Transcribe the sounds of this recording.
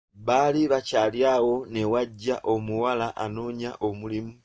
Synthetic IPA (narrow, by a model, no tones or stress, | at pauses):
βaliβacaːljaːɣo̞ne̞waɟːaʔo̞muwalaʔanoːɲaʔomulimu